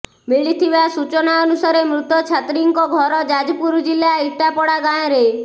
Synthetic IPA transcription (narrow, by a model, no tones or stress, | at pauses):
miɭit̪ʰibasut͡ʃɔnaɔnusaɾemɾut̪ɔt͡ʃʰat̪ɾiŋkɔɡʱɔɾɔd͡ʒad͡ʒɔpuɾd͡ʒilːaiʈapɔɽaɡaj̃ɔ̃ɾe